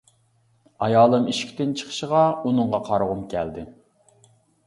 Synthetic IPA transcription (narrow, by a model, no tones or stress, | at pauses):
ɑjɑːlˠɨmiʃi̥kʲt̪ɪnt͡ʃʰə̥χʰə̥ʃəʁɑunɨŋʁɑqʰɑɾʁʊmkʲʰɛld̪ɪ